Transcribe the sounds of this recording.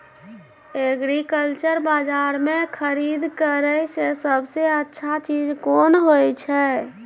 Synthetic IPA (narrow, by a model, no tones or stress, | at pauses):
eəɡɾikəlt͡ʃəɾbad͡ʒaɾmekʰəɾid̪ʱkəɾəjsesəbʱseətːʃʰat͡ʃid͡ʒkonɦojt͡ʃʰɛ